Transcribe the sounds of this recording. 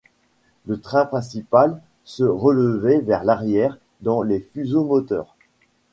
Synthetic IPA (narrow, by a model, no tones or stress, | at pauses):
lət̪χɛ̃pχɛ̃s̬ipal | səʁələvɛvɛʁlaʁjɛʁ | d̪ɑ̃lefyzomɔt̪œ̰ːʁ